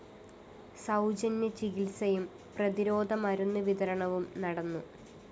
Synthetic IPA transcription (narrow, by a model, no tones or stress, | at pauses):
sɐwd͡ʑɐnjɐt͡ɕiɡilsɐjum | prɐðiɾo̞ːd̪ʱɐmɐɾunːɨʋid̪ɐɾɐɳɐʋumnɐɽɐnːu